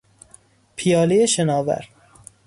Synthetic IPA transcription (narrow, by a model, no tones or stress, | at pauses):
pʰijɒːlejeʃenɒːvæ̰ɾ